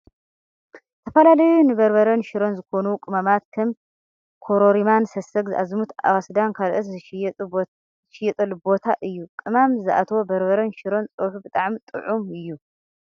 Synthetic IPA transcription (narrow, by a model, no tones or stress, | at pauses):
t̪ʰɐfɐlalɐjunɨbɐɾbɐɾɐnʃɪɾo̞nzɨko̞nukʼɨmamat̪̚kʰɐm | kʰoɾoɾimansɐsɐɡzɨʔazmut̪ʰa̰wɐsd̪ankʰalʔɐt̪z | ɨʃɪjɛt̪ʼɐlbo̞t̪ʰaʔɨjːukʼɨmamzɨʔa̰t̪ʰwo̞bɐɾbɐɾɐnʃɪɾo̞nt͡sʼoħubɨt̪ʼaʕmit̪ʼɨ̰ʕumɨjːu